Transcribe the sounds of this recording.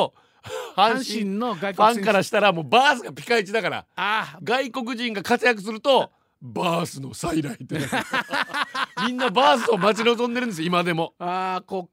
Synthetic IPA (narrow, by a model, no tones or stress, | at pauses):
hãɰ̃ɕĩɡãŋkaɾaɕi̥t̪aɾamo̞ːbaːsɨɡapʲi̥kait͡ɕid̪akaɾa̰ɡaiko̞k̬ɯ̟ʑĩŋɡakat͡sɨjak̬ɯ̟s̬ɨɾɯ̟t̪o̞ | baːsɨno̞̰saiɾait̪ːe | mʲĩnːabaːs̬ɨo̞mat͡ɕino̞zõ̞nd̪eɾɯ̃nesjoimad̪e̞mo̞ako